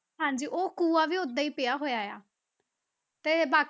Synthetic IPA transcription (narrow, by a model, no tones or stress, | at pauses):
ɦãːɲd͡ʒiːʔoːkuːaːʋiːʊd̪aːiːpɪjaːɦoːjaːja̰ː | t̪eːbaːk